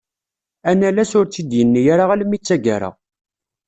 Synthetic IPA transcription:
ænælæsʊɾt͡sːid̪jənːijaɾaʁælmːit͡sːæɡa̰ɾə̰ʁ

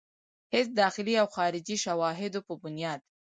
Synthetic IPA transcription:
hɪsd̪ɑxɪliawxɑɾɪd͡ʒiʃawɑɦɪd̪opəbʊnjɑd̪

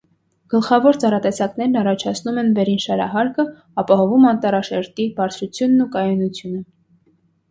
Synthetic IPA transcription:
ɡ̥əlχɑvɔɾt͡sɑɾɑt̪ɛsɑknɛɾnɑrɑt͡ʃʰɑt͡sʰnumɛnvɛɾinʃɑɾɑ̰ɦɑɾkə | ɑpɑɦɔvumɑnt̪ɑɾɑʃɛɾt̪ibɑɾt͡sʰut͡sʰjunːukɑjɔnut͡sʰjunə

